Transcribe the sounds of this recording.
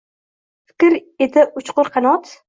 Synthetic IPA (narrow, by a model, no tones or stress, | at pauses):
fɪ̥kʲɾed̪ɪʊt͡ʃqʊɾqʰɑnɒt̪